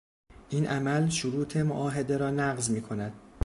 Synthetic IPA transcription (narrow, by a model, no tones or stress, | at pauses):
ʔiːnʔæmælʃoɾuːt̪ʰe̞moʔɒːɦe̞d̪e̞ɾɒːnæɣzmiːkʰo̞næd̪̥